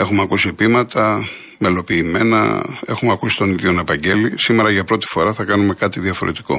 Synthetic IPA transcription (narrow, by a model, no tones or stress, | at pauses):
e̞xumeɐkusiepimɐt̪ɐ | me̞lo̞piːme̞nɐ̰e̞xumeɐkusi̥t̪o̞niðjio̞nɐpɐɲɟe̞lisime̞ɾɐʝɐpɾo̞t̪i̥fo̞ɾɐθɐkɐnume̞kɐt̪iðiɐfo̞̰ɾet̪i̥ko̞̰